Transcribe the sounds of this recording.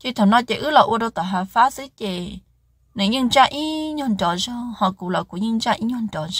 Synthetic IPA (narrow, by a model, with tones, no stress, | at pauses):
t̪ʲi˦˧t̪ʰa˨nã˦˧t̪ʲe˧˨ʔɨ˦lo˧ʔu˧˦ɾo˧t̪a˨ɦa˧fa˦si˦t̪ʲe˧˨ | nɨ̃˨˧˦ɲɨ̃˦˧nd͡ʒa˦ʔĩ˦ɲõ˧nd̪ʲõ˨ʒõ˦hã˧ku˨lo˨ku˨ɲɨ̃˦˧nd͡ʒa˦ʔĩ˦ɲõ˧nd̪ʲõ˨ʒ